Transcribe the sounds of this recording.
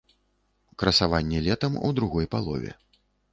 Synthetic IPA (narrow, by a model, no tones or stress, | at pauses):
kɾɐsavanʲːɛlʲɛt̪ɐmṵd̪ɾuɣɔjpalˠɔ̰vʲɛ̰